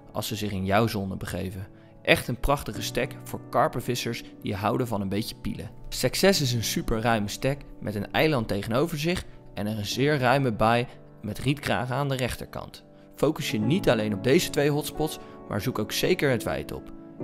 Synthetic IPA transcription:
ɑ̰lˠsəzɪχɪnjawzɔnəbəχejvən | ʔɛχtənprɑχtəχəstɛkfʊːɹkɑɹpəvɪsəɹsd̥iəɦʌwdəvɑnənbejcə̥pḭlə̰sɛksɛsɪs̬ənsypəɹrœɥməstɛkmʔɛtənɛ̰jlɑntejχənowvəɹzɪχɛnɛrənzɪːɹrœɥməbɑj | mɛtritkra̰ːχəaːndərɛχtə̰ɹkɑ̰nt | fowkəsjənitɑlejnɔb̚dejzətʋejɦɔtspɔtsmʔa̰ːɹzukowksejkəɹətʋɛ̰jtɔ̰p

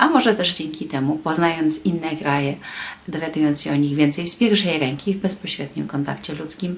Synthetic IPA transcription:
ʔamɔʐɛt̪ɛʐd͡ʑɛŋkʲit̪ɛmupɔznajɔnt̪sinːɛkɾajɛd̪ɔvʲjad̪ujɔnt̪sɕɛɔɲiɣvʲjɛnt̪sɛjspʲjɛɾfʂɛjɾɛŋkʲivbɛspɔɕɾɛd̪̚ɲimkɔnt̪a̰kt͡ɕɛlut̪skʲim

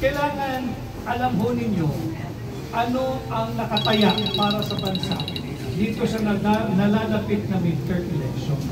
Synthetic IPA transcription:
kɐjlaːŋɐn | ʔɐlɐmɦo̞nɪɲjo̞ | ʔɐno̞ʔɐŋnɐkɐt̪ɐjaʔpaːɾɐsɐbɐnsaʔ | d̪iːt̪o̞sɐnɐanɐlaːlɐpɪt̪̚nɐmɪd̚t̪ɛɹɛlɛkʃon

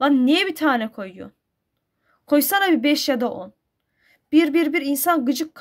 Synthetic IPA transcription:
anːijɛbit̪ʰaːnɛkʰo̞jɯjo̰n | kʰojsanabibɛʃjad̪aʔon | b̥iɾbiɾbiɾinsanɡɯd͡ʒɯkʰː

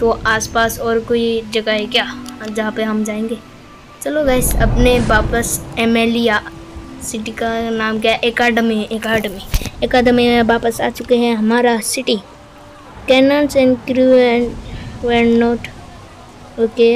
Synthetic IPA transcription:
t̪oʔaːspaːsɔːɾkoːid͡ʒɐɡaɦekjaːd͡ʒɐɦãpeɦɐmd͡ʒaːẽːŋɡeː | t͡ʃɐloɡaːɪsɐ̰pneʋaːpəseːmeːlijasɪʈikanaːmkjaʔekaːɖəmĩʔeːkaːɖmieːkaːɖmiẽʋaːpəsa̰ːt͡ʃʊkeɦɛ̃ɦɐmaːɾasɪʈi | kɛːnãːnsɛ̃nkɾuɛ̃nʋɛːnnoːʈ | oːke

